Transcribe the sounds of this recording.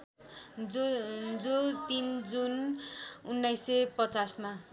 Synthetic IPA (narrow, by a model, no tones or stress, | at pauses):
d͡zot̪ind͡zun | unːajsepʌt͡sasma